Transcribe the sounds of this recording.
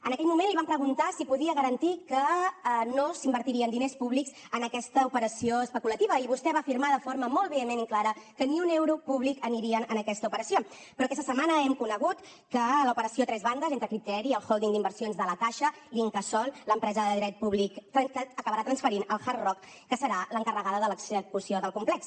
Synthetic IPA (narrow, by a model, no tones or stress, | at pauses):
ənəkɛʎmumenliβampɾəɣunt̪asipuðiəɣəɾənt̪ikənosimbəɾt̪iɾiənd̪inespuβliks | ənəkɛst̪əupəɾəsioəspəkulət̪iβəiβust̪ɛβaːfiɾmaðəfoɾməmɔlˠt̪βɛəmeniklaɾəkəniunɛwɾupuβlikəniɾiənənəkɛst̪əupəɾəsio | pɾɔkɛst̪əsəmanəɛmkunəɣ̞ut̪ | kələupəɾəsiot̪ɾɛzβand̪əzent̪ɾəkɾit̪ɛɾiəlˠxolˠd̪iŋd̪imbərsionzðələkaʃəliŋkəsɔnləmpɾɛzəðəðɾɛt̪̚puβlikt̪ɾəəəkəβəɾat̪ɾənsfəɾinəlˠxarrɔkː | əsəɾaləŋkərəɣaðəðələkzəkusioðəlˠkumplɛks